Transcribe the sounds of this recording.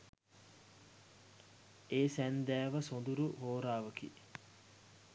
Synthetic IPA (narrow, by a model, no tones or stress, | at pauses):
eːsænd̪æːʋəsond̪uɾuɦoːɾaːʋəkḭ